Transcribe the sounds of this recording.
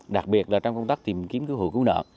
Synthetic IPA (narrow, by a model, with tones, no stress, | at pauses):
ɗa˨˩k̚ɓi˨˩ət̚laː˨˩t͡ɕɔ˧wŋ͡mkə˧wŋ͡mt̪aː˦˥k̚t̪i˨˩mki˨˦mkɨ˨˦whṵ˧˨kɨ˨˦nə̰ː˧˨